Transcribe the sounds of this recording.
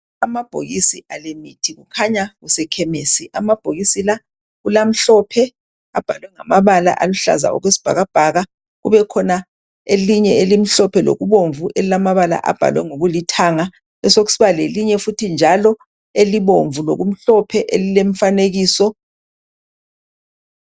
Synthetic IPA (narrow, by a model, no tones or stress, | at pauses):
amab̥ʱo̰ɣisiʔalemitʰiɣukʰaɲaɣusɛkʰɛmeːsiʔamab̥ʱoɣisila | ɣulam̩ɬɔpʰɛ | ab̥ʱalwɛŋamaβala̰ʔaluɬa̰za̰ɔ̰ɣwesi̥b̥ʱa̰ɣab̥ʱaɣa | ɣṵβɛkʰɔna | eliɲɛelim̩ɬɔpʰɛlo̰ɣuβoɱvuʔelilamaβala̰ʔa̰b̥ʱa̰lwɛ̰ŋoɣulitʰaŋa | ɛsokɣu̥siβaleliɲɛfutʰind͡ʒʱalɔ | eliβoɱvulo̰ɣum̩ɬɔpʰɛʔḛlilem̩faneɣiːsɔ